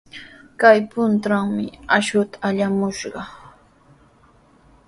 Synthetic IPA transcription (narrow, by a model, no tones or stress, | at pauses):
kajpʊnt̪aŋmɪ̰aʃʊt̪ḁːʎamʊʃɢɑ